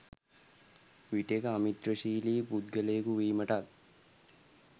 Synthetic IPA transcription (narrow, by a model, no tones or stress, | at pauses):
ʋiʈekəamit̪ɾəʃiːliːpud̪ɡəlejəkuʋiːməʈat̪̚